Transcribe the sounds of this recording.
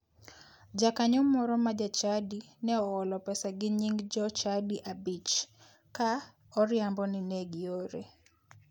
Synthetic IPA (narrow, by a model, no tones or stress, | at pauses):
d͡ʒakaɲɔmɔɾɔmad͡ʒat͡ʃadi | nɛɔːlɔpɛsaɡɪɲiŋɡd͡ʒɔt͡ʃadiʔabit͡ʃ | ka | ɔɾjambɔnɪnɛɡɪoɾe